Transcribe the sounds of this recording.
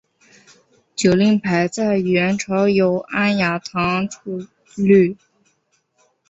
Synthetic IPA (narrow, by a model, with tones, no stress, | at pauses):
t͡ɕjo˨˩ʊli˥˩ŋpʰa˧˥ɪt͡sa˥˩ɪɥɛ˧˥nʈ͡ʂʰɑ˧˥ʊjo˧˥ʊa˥nja˧˥t̪ʰɑ˧˥ŋʈ͡ʂʰu˥˧ | ly˥˩